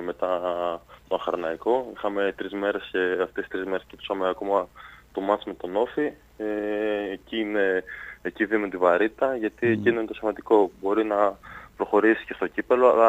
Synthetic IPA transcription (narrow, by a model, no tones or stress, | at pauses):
me̞t̪ɐ | t̪oɐxɐɾnɐiko̞ixɐme̞t̪ɾizme̞ɾe̞sceɐft̪esi̥st̪ɾizme̞ɾe̞scep̪usɐmeɐko̞mɐt̪omɐsimet̪o̞no̞fi | eːciine̞ːciðimut̪ivɐɾit̪t̪ɐʝɐt̪ie̞cinoinet̪osimɐnd̪iko̞bo̞ɾinɐpɾo̞xo̞ɾisi̥ce̞st̪o̞cipe̞lo̞ɐ̰lɐ